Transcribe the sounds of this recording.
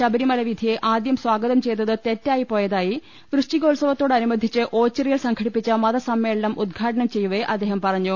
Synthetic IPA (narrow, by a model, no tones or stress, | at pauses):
ɕɐbɐɾimɐlɐʋid̪ʱijeʔaːd̪jɐmswaːɡɐðɐmt͡ɕe̞jt̪ːɐðɨt̪e̞tːaːjipo̞ːjɐðaːji | ʋrɨʂʈiɣo̞ːlsɐʋɐt̪ːo̞ːɽɐnumɐd̪ʱit͡ɕːɨʔo̞ːt͡ɕːɐrijilsɐŋkʰɐɽipːit͡ɕːɐmɐðɐsɐmːe̞ːɭɐnɐmʔud̪̚ɡʰʱaːʈɐnɐmt͡ɕe̞jːuʋeʔɐd̪ːeːɦɐmpɐrɐɲːu